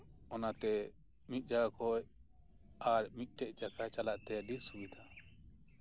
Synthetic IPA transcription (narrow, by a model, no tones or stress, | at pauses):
ɔnat̪ɛ | mit̪̚ˀd͡ʒaɡakʰɔj | aɾmit̪̚ˀʈɛʔt͡ʃakʰat͡ʃalaʔt̪ɛdisubid̪ʰa